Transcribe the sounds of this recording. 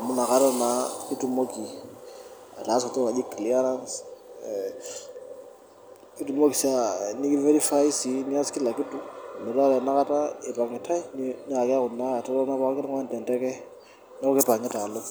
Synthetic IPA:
a˨mʊ˦na˨ka˦ɾɔ˦na˨ki˦tu˨mo˦ki˨ | a̰˨taː˨˦sɔ˨tɔ˦na˨d͡ʒi˦kli˦a˦ɾa˦ns | ki˦tu˨mo˦ki˨sa˨ni˦ki˦ve˦ɾi˦fa˦i˦si˨ni˦a˦skɪ˦la˨ki˦tu˦˨mɛ˨ɾɔ˦lɛ˨na˦ka˦ta˦e˨pa˨ŋɪ˨tʰa˦i˦nni˦a˨kɛ˦kʊ˨nːa˦˨ta˦tɔ˦na˦pa˦kkɪ˦n˦ŋwa˦ntɛ˨ntɛ˦kɛ˦ | nɛ˦kɔ˦kɪ˦pa˨ŋɪ˦ta˨lo˦

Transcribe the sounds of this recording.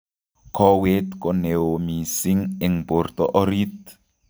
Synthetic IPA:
kʰɔwet̪kɔ˨ne˨o˨mi˨si˦ŋe˨ŋbo˨rt̪ɔʔɔ˦ɾi˦t̪

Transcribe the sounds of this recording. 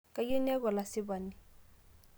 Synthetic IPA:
ka˨je˦n˦ɛ˦ɣɔ˨la˨sɪ˦βa˨ni˨

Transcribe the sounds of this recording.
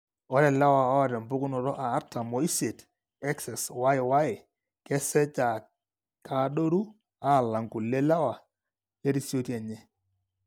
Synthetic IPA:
ɔ˦ɾɛ˨la˦wa˨ɔ˦˨ɾɛ˨mbʊ˦kʊ˦nɔ˨ɾɔ˦ʔaː˨˦ta˨mɔ˨˦i˦se˨t | ɛ˦ksɛ˨swa˦jɪ˨wa˦ɪ˨ | kɛ˦sɛ˦t͡ʃa˨ | ka˨˦do˦ɾu˦ | a˦˨la˨ŋku˨le˦la˦wa˨ | e˦ɾi˦si˦o˦ti˦ɛ˨ɲɛ˦

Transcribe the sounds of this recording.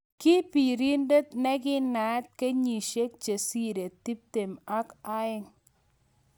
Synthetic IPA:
kɪ˦pi˨ɾi˦nde˦t̪nɛ˦ɡɪ˦na˨˦t̪̚ke˦ɲi˨ʃe˦k̚t͡ʃe˨si˦ɾe˨t̪i˦p̚t̪e˨ma˦ka˦ɪ˦ŋ

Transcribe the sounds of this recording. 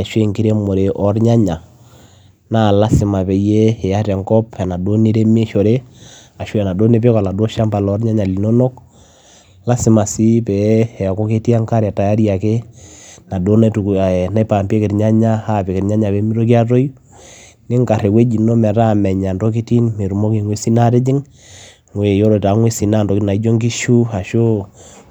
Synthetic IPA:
ʃwe˦˨ŋki˦ɾe˦mo˨ɾe˨ʔɔ˨ɾɲa˦ɲa˨ | na˦˨la˦sɪ˨ma˨pɛ˨˦je˦hɛ˨a˦tɛ˨ŋkɔ˦pɛ˨na˨do˦ni˦ɾe˦me˦ʃo˨ɾe˦a˨ʃwɛ˨na˨do˦ne˦pe˦ka˨la˨do˦ʃa˦mpa˨lɔ˦ɾɲa˦ɲa˨li˨no˦no˦k | la˦sɪ˨ma˨si˦pɛ˨ɛ˨a˨ko˦ke˦ti˦a˦ŋka˦ɾa˨ta˨ja˦ɾja˨ke˦na˨do˦na˦tu˨kna˦i˦pa˨mpe˦kɪ˨ɾɲa˦ɲa˦ha˦˨pe˨kɪ˨ɾɲa˦ɲa˨pe˨˦mi˦ɾo˦k̬i˦a˦to˦j | ne˦ŋka˨ɾe˨we˦d͡ʒi˨no˦mɛ˨ta˦˨mɛ˨ɲa˨ndo˦k̬i˦ti˦nme˨ɾu˨mo˦ke˨ŋwe˦si˦na˦ɾe˦d͡ʒɪ˦ŋ | ŋwe˨jo˦ɾo˨ta˨˦ŋwe˦si˨na˦˨ndɔ˨kna˨i˦d͡ʒo˦ŋɡi˦ʃu˦a˨ʃo˦

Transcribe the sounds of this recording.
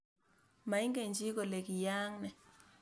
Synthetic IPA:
ma˨i˦ŋɡe˨nd͡ʒʱi˦k̬ɔ˨le˨k̬i˨jaː˦ŋnɛ˨

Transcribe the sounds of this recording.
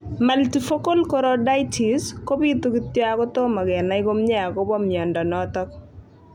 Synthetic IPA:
maltifo˦ko˦lkɔ˦ɾɔda˦jtʰi˨sko˦bi˦t̪ukit̪ːjɔ˦akɔ˦t̪o˦ma˨ɡɛ˨na˦ɪ˦ɡo˦mɲɛ˦a˨kɔ˦bɔ˦mjɔ˨ndɔ˨nɔt̪ɔ˦k

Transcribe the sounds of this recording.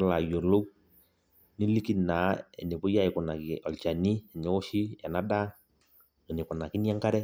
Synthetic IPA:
la˨jo˨lo˦ | ni˦li˦ki˦na˨˦ɛ̰˨ne˨pʊ˦ja˦ɪ˨kʊ˨na˨ki˨ɔ˨lt͡ʃa˨ni˦ɛ˨ɲɛ˦ʊ˦ʃi˦ɛ˨na˦da˦ | ɔ˨nɪ˨kʊ˨na˨kɪ˦n˦a˦ŋka˦ɾɛ˦

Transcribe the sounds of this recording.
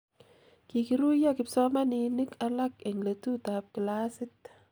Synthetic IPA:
ki˨ki˨ɾu˦ja˦kɪ˨psɔ˦ma˦nɪ˨ni˦ka˦la˦ke˨ŋle˨tu˦t̪a˨p̚kɪ˨la˦sɪt̪

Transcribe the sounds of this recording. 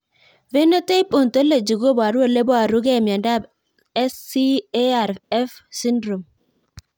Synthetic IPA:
ve˦nɔ˦t̪e˦i˦pʼɔ˨nt̪ɔ˦le˨d͡ʒi˨ɡo˦ba˨ɾu˦wɛ˦˨le˦bɔ˦a˨ɾu˦ɡe˦˨m˨a˨nda˦˨b | ɛ˦si˦e˦a˨ɾɛ˦fsi˦ndɾo˨m

